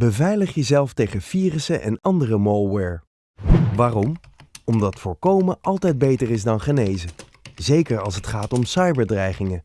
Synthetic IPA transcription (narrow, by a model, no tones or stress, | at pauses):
bəvɛjləχjəzɛlˠftejχəfiːrəsəʔɛ̰nɑndərəmolˠwɛɹ | ʋaːrɔmɔmdɑtfʊːɹkowməʔɑlˠtɛjd̚bejtərɪzdɑnχənejzə | zejkəɹɑlˠsətχaːtɔmsɑjbəɹdrɛjχɪŋə